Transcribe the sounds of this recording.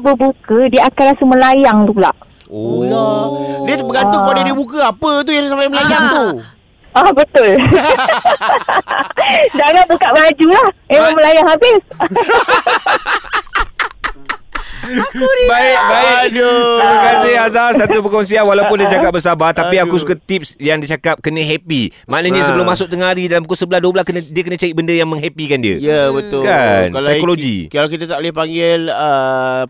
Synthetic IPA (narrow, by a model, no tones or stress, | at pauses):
bəbukədiəakanlɾasuməlajaŋt̪ula̰ʔ | oadiət̪ubəɡant̪ʊəpadadiəbukəapət̪ujasampajməlajaŋt̪u | ahbət̪ʊl | daŋaʔ̚bukaʔbad͡ʒulahemaməlajaŋɦabɪs | baɪkbaɪkd͡ʒuiməkasɪɦazasat̪upəkɔns̬ianwalawpʊndiət͡ʃakap̚bəsabat̪apiakusukat̪ip̚sjaŋdit͡ʃakap̚kənə̃ɦɛpimãʔnaɲə̃səbəlʊmːãsʊk̚t̪əŋaɾidalamukosəbəlahduəbəlaskənə̃diəkənə̃t͡ʃaɾiʔ̚bəndəjaŋmə̃ŋɦɛpikandiə̰jəbət̪ʊkankalsajkoloɡḭkalakit̪at̪aʔlihpaŋɡɪlə